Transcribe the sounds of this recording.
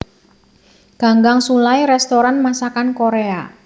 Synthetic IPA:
ɡ̥a̤ŋɡaŋsulajɾɛst̪oɾanmasakankoɾea

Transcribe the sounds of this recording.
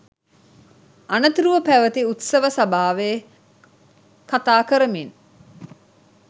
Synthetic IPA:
anət̪iɾuʋɐpæʋət̪iut̪sɐʋəsabaːʋe | kat̪aːkəɾəmin

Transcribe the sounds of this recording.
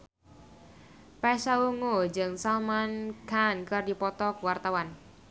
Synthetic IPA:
pɛsauŋod͡ʒəŋsalmankankərdipɔt̪ɔkwart̪awan

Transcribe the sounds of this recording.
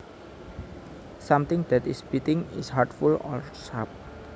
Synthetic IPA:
samt̪ɪŋd̪̥ɛt̪ɪsb̥it̪ɪŋɪ̰shartfulɔɾsap̚

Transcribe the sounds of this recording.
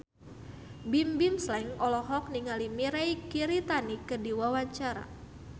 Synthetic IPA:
bimbimslɛŋɔlɔɦɔk̚niŋalimiɾajkiɾit̪anikədiwawaɲt͡ʃaɾa̰

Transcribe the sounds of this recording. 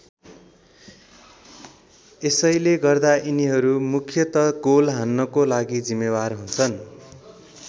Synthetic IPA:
esʌjleɡʌrd̪aʔiniɦʌɾumukʰjʌt̪ʌɡolɦanːʌkolaɡid͡zimːebarɦunt͡sʰʌn

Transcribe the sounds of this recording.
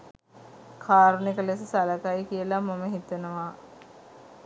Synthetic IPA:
kʰaːɾnikəlesəsaləkajkijəlamaməɦit̪ənəʋa

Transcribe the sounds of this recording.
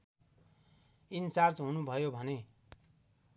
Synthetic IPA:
insart͡sɦunubʱʌjobʱʌne

